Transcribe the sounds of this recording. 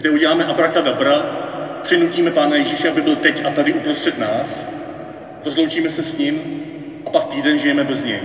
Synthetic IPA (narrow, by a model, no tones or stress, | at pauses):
ɡdɛuɟɛlaːmɛʔabɾakadabɾapr̝̥ɪnuciːmɛpaːnajɛʒiʃɛabɪbɪlt̪ɛcat̪adɪʔupɾo̞st̪r̥ɛt̪naːs | ɾozlowt͡ʃiːmɛsɛsɲɪm | ʔapak̚t̪iːdɛnʒɪjɛmɛbɛzɲɛj